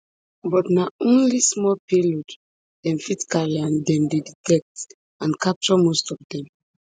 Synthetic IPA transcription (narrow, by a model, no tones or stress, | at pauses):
bɔtnaõnlismɔpilod | d̥ɛ̃nfitkaɹiãndɛ̃ndeditɛk̚t | ãnkap̚t͡ʃɔmostɔvdɛ̃m